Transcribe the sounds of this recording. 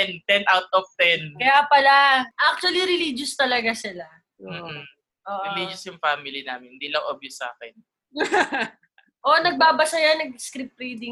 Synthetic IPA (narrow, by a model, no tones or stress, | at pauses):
ɛnt̪ɛnʔawt̪̚ɔft̪ɛnkɐjapɐlaʔak̚t͡ʃʊɐliɾɪlid͡ʒʊst̪ɐlɐɡasɪla | om̩ː | ʔoːʔɾɪliːd͡ʒʊsjʊŋfamɪlina̰ːmɪnhɪnd̪iːlɐŋʔoːbjʊsa̰ːkɛn | ʔonɐɡ̚baːbɐsɐjanɐɡ̚skɾip̚ɾid̪ɪŋ